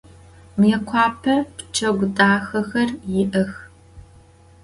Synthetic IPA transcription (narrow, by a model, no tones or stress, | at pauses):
mjɛkʷʰɑːpʰɐpt͡ʃʰɐɡʷʊtʼaːxɐxɐrjɪʔɐx